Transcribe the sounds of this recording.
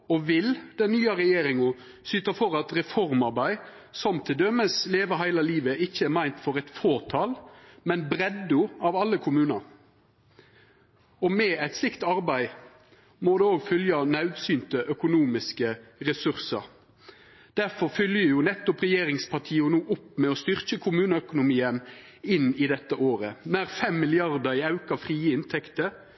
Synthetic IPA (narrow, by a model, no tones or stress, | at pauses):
ɔʋɪld̪̥ɛnːyːɑɾɛjeːɾɪŋʊ | syːt̪ɑfɔɾɑt̪ɾɛfɔʁmɑɾbæɪ | sɔmt̪ʰːɪld̪œmːəsleːʋəɦæɪlɑliːʋəʔɪçːəæɾmæɪnt̪fɔɾɛt̪foːt̪ʰɑːlmɛnbɾɛd̪ʊɑʋɑlːəkʰʊmʉːnɑɾ | ɔmɛæɪt̪slɪkt̪ɑɾbæɪ | moːd̪ɛoːɡfʏljɑnɑʉd̪syːnt̪əʔœkʊnuːmɪskəʁɛsʉʁsəɾ | d̪̥æʁfɔfʏljəjʊːnɛt̪ːɔpʁɛjeːʁɪŋspʰɑʁʈ̪ʰiːʊnuːʔʊpːmɛɔst̪ʏʁkəkʰʊmʉːnəœkʊnʊmiːən | ɪnːɪd̪ɛt̪ːəʔoːʁənæʁfɛmːɪlɪɑʁd̪əɾɪɑʉkɑfʁiːɪnt̪ʰɛkt̪ə